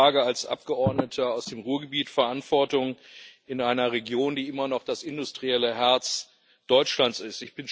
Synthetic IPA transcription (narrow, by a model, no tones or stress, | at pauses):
aːɡəalsʔa̰p̚ɡ̥əʔɔɐdnətʰəaʊsd̥eːmʁuːɐɡəbiːtfɛɐʔantv̥ɔɐtʊŋɪnaɪnɐʁeɡjoːndiːʔɪmɐnɔχd̥asɪndʊstʁ̥iɛləɦɛɐt͡s | d̥ɔʏt͡ʃlant͡sɪstɪçb̥ɪn